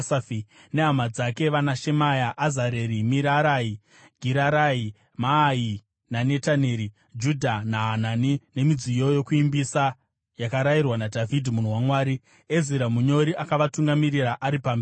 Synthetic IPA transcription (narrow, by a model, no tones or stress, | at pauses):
safi | ne̞ɦamad͡zake̞ʋanaʃe̞majaʔːzaɾe̞ɾimiɾaɾai | ɡʱiɾaɾai | maːi | nane̞tane̞ːɾi | d͡ʒudʱanaɦananine̞mid͡zijo̞jo̞kuimbisa | jakaɾairwanadʱavʱidʱimun̤owamwaːɾi | eziɾamuɲo̞ɾiʔakaʋatuŋɡamiriraʔaɾipami